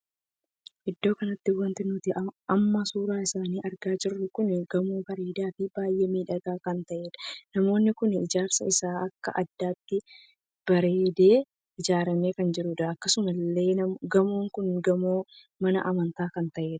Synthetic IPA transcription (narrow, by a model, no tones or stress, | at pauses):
ʔɪd̪ːo̞ːkɐnɐt̪ːɪwɐnt̪ɪnʊt̪ɪɐmːɐsuːɾaːɪsaːniːʔɐɾɡaːd͡ʒɪrːʊkʊnɡɐmoːbɐɾeːd̪aːfɪbaːjʔeːmiːᶑɐɡaːkɐnt̪ɐʔe̞ːᶑɐ̥nɐmo̞ːnːɪkʊnɪd͡ʒaːɾsɐ̰ɪsaːɐkːɐ̰ʔɐd̪ːaːt̪ːɪ | b̥ɐɾe̞ːd̪e̞ː | ɪd͡ʒaːɾɐme̞ːkɐnd͡ʒɪɾʊᶑɐɐkːɐsʊmɐlːe̞ːɐɡɐmoːŋkʊnɡɐmoː | mɐnɐ̰ʔɐmɐnt̪aːkɐnt̪ɐʔe̞ːᶑɐ̥